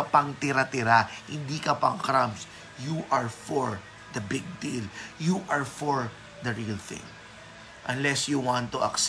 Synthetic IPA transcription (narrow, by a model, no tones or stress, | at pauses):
ɐpɐŋt̪ɪɾat̪ɪɾahɪ̃nd̪ikɐpɐŋkɾams | juʔɐɹfɔɹ | d̪ɐbɪɡ̚d̪iljuʔɐɹfɔɹ | d̪ɐɹilθɪ̰̃ŋ | ʔɐ̃nlɛsjuwãnt̪ːuɐ̰ks